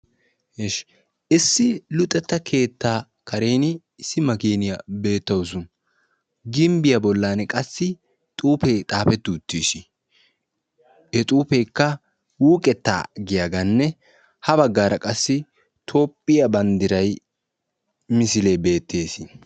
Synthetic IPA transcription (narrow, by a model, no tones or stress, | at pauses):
heʃ | ʔɪsːɪlʊt̪ʼːɛt̪ːɐkʰe̞ːt̪ːaː | kɐɾeːnɪ | sɪmɐkeːnɪjɐbe̞ːt̪ːɐwsʊn | ɡɪmbɪjɐbɔlːaːnkʼɐsːɪ | t̪ʼuːpeːt̪ʼaːpɛt̪ːʊːt̪ːiːʃɪ | hɛt̪ʼuːpejkːɐ | wuːkʼɛt̪ːa̰ːɡɪjaɡɐnːɛ | hɐbɐɡːaːɾɐkʼɐsːɪ | t̪ʰo̞ːpʼːɪjɐbɐnd̪ɪɾɐj | mɪsɪlebe̞ːt̪ʰːe̞ːsɪ